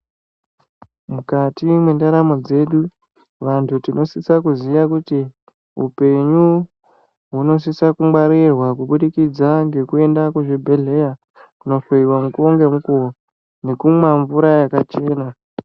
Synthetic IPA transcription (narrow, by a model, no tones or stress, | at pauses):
mukatimwendaɾamo̞d͡ze̞ɗu | ʋantʰutino̞sisakuziʋakuti | ṵpe̞ɲu | ɦuno̞s̬isakumwaɾirwakuɓuɗikid͡zaŋɡe̞kue̞ndakuʐibʱe̞ɮe̞ja | kuno̞feiwamukoŋɡe̞mukuo | ne̞kumwaɱvuɾajakat͡ʃe̞ːna